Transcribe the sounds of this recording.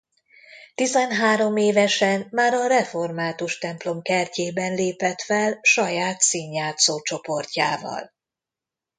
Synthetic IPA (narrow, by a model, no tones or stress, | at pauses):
t̪izɛnɦaːɾo̞meːvɛʃɛnmaːɾɒɾɛfo̞rmaːt̪uʃt̪ɛmplo̞mkɛrceːbɛnleːpɛt̪fɛlʃɒjaːt̪siːɲjaːt̪soːt͡ʃo̞po̞rca̰ːvɒ̰l